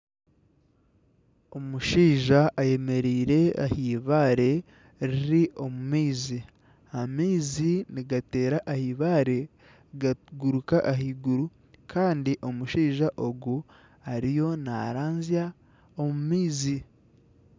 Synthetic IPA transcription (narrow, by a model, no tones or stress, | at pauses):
o̞muʃiːʒaʔːje̞me̞ɾiːɾe̞ahiːβaːɾe̞ | ɾiɾiʔo̞mumiːzi | amiːziniɡate̞ːɾaʔahiːβaːɾe̞ | ɡaɡuɾukaʔaɦiɡuɾu | kʰaːndiʔo̞muʃiːʒaʔo̞ɡu | aɾijo̞na̰ɾaːnzija | omumiːzi